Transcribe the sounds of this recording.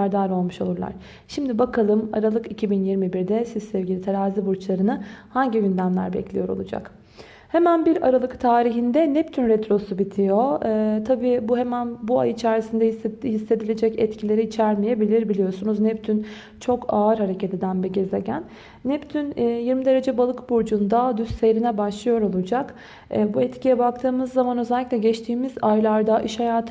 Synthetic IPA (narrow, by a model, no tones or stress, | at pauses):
æɾd̪aːɾo̞lˠmuʃo̞lˠuɾlˠa̰ɾ̥ | ʃimd̪ibakʰalˠɯma̰ɾalˠɯkicʰibinjiɾmibiɾd̪ɛsizsɛvɟʲilʲit̪ʰaɾaːzibuɾt͡ʃlˠaɾɯnɯhaɲɟijynd̪ænlʲæ̰ɾbɛ̰clʲḭjo̞ɾo̞̰lˠud͡ʒa̰k | he̞mænbiɾaɾalˠɯkt̪ʰaːɾiɦind̪ɛnɛpt̪ʰynɾɛt̪ɾo̞subit̪ʰijo̞ːt̪ʰabiːbuɦemænbua̰jɯit͡ʃʰæɾisind̪ɛihisːe̞d̪ilʲed͡ʒɛcɛt̪cʰilʲe̞ɾiːt͡ʃʰæɾmijebilʲiɾbilʲijo̞sunuznɛpt̪ʰyn | t͡ʃʰo̞kʰaɯɾɦaɾe̞cʰet̪ʰid̪ænbiɟe̞ze̞ɟænː | ɛpt̪ʰynːjiɾmid̪e̞ɾe̞d͡ʒɛbalˠɯkbuɾd͡ʒund̪ad̪yst̪sejɾinɛbaʃlˠɯjo̞ɾo̞lˠud͡ʒak | ɛːbuɛt̪cijɛbak̚t̪ʰɯːmɯzːamanøzɛlʲːiclʲɛɟɛt͡ʃt̪ʰiːmizajlˠaɾd̪aʔiʃhajaːt̪ʰ